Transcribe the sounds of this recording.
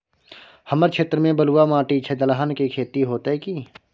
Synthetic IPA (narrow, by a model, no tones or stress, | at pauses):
hɐməɾt͡ʃʰeːt̪ɾəmẽbəluwamãːʈit͡ʃʰed̪əlaɦənkikʰeːt̪iɦoːt̪ɦɛki